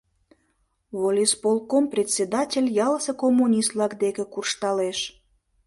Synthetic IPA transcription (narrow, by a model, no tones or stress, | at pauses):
βolʲispolˠkomprʲet̪ʲsʲed̪ɑtʲelʲjɑləsekomːunʲist̪lɑkd̪ekĕkurʃt̪ɑleʃ